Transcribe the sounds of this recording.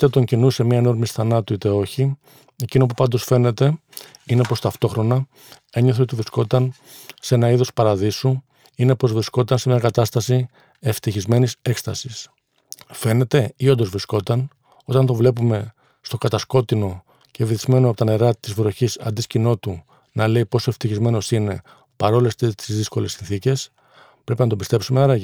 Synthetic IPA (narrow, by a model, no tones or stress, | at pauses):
t̪et̪o̞ɲcinuse̞miɐeno̞ɾmisθɐnɐt̪uit̪e̞o̞çi | e̞cino̞pupɐnd̪o̞sfe̞ne̞t̪e̞ine̞po̞st̪ɐft̪o̞xɾo̞nɐ | e̞ɲoθeo̞t̪ivɾisko̞t̪ɐn | seenɐiðo̞spɐɾɐðisu | ine̞po̞zvɾisko̞t̪ɐnse̞mɲɐkɐt̪ɐst̪ɐsi | e̞ft̪içizme̞nise̞kst̪ɐsis | fe̞ne̞t̪e̞io̞nd̪ozvɾisko̞t̪ɐn | o̞t̪ɐnt̪o̞vle̞pume̞ | st̪o̞kɐt̪ɐsko̞t̪ino̞ | ceviθizme̞noɐpo̞t̪oneɾɐt̪izvɾo̞çisɐ̰nd̪iscino̞t̪u | nɐle̞ipo̞soe̞ft̪içizme̞no̞sine̞ | pɐɾo̞lest̪et̪izðisko̞le̞sːinθice̞s | pɾe̞pinɐt̪obist̪e̞psumenɐɾɐʝi